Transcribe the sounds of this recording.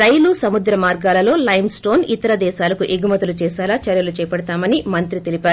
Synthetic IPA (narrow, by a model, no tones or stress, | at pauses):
ɾɐjlusɐmud̪ɾɐmaːɾɡaːlɐlo̞ːlɐjmsʈo̞ːnit̪ɐɾɐd̪ɛːʃaːlɐkuʔiɡumɐt̪ulut͡ʃɛːʃaːlaːt͡ʃɐɾjɐlut͡ʃɛːjɐpɐɽɐt̪aːmɐnimɐnt̪ɾit̪elipaːɾu